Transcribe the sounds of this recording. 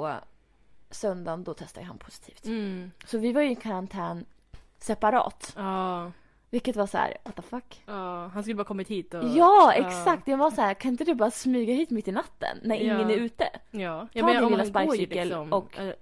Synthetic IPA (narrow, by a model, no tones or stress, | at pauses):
sœnd̪and̪ɔt̪ʰɛst̪a̰jəha̰npʰʊ̥sɪ̥t̪ʰi̥ːft̪sɔvɪvaɾjʉɛkʰaɾant̪ʰɛːn | sɛpaɾɑ̰ːt̪ɑ | vɪlkːət̪vasæ̰ːɾwat̪ːafakːhanskɵlːbɑːkɔmːɪt̪hiːt̪ɔjɑːɛksak̚t̪javasæːɾkʰanɪnt̪əd̪ɵbɑːɾasmyːɡaɦiːt̪mɪt̪ːɪnat̪ːə̰nːæɾɪŋːənæɾʉ̟ːt̪ə̰ | alɪlːaspaɾsikːəlmɔk